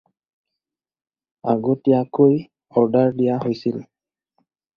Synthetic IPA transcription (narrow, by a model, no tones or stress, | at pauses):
aɡotiakoj | ɔɹdaɹdijaɦojsil